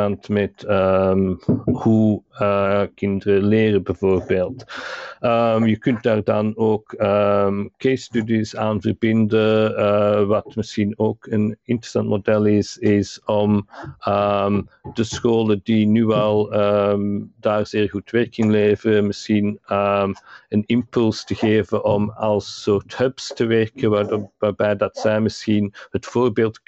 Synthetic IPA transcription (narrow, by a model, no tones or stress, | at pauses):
antmɛtəmhuəkɪndərəleːrəbɛvoːrbeːlˠt | əmjəkɵnt̚d̥aːrdɑnoːkəmkestydisaːnvərbɪndəəʋɑtmɪsxinoːkənɪntrə̥sɑ̰ntmodɛlɪsɪsɔməmd̥əsxoːlədinyːɛlˠəmdaːrz̥ɪːɹɣutʋɛɹkɪŋleːvərəmɪsxinəmənɪmpɵlˠstəɣeːvənʔɔmɑlˠsoːrthœpstəʋɛrkənʋaːrbɛjdɑtsɛjmɪsxinhətfoːrbeːlˠt